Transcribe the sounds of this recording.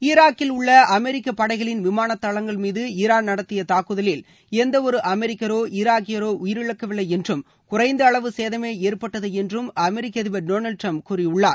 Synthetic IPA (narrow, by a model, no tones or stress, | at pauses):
ɪɾaːkːɪlʊɭːɐʔɐmɛɾɪkːɐpːɐɽɐɪɣɐɭɪnʋɪmaːnɐt̪ːɐɭɐŋɡɐɭmiːðɯɪɾaːnnɐɽɐt̪ːɪjɐt̪aːkɯðɐlɪl | ɛnd̪ɐɔɾɯʔɐmɛɾɪkːɐɾoːʔɪɾaːkɪjɐɾoːʔʊjɪɾɪɭɐkːɐʋɪɭːɐɪɛndrɯm | kʊrɐɪnd̪ɯɐɭɐʋɯseːðɐmeːeːɾpɐʈːɐðɯɛndrɯmɐmɛɾɪkːɐðɪbɐɾɖoːnɐlʈrɐmpkuːrɪjʊɭːaːɾ